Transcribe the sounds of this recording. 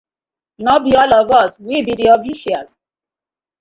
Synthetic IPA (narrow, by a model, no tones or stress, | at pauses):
nɔbiɔlɔvɔswibidiɔfiʃias